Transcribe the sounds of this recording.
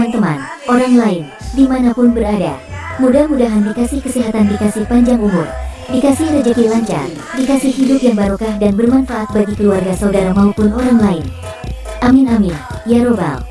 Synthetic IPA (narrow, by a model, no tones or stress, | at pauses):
ant̪əma̰nʔoɾaŋlaɪn | dimanapʊnbərada̰mudahmudaɦandikasɪhkəsiɦat̪andikasɪhpaɲd͡ʒaŋumʊ̰rdikasɪhrəd͡ʒəkilaɲt͡ʃa̰r | dikasɪhɦidʊp̚jaŋbaɾokahdanbərmanfaʔat̪̚baɡikəluarɡasaudaɾamaupʊnoɾaŋlaɪn | ʔamɪnamɪn | jaɾoba̰l